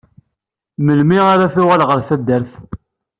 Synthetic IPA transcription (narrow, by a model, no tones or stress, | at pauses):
məlmiaɾaθʊʁælʁəɾθæd̪ːəɾθ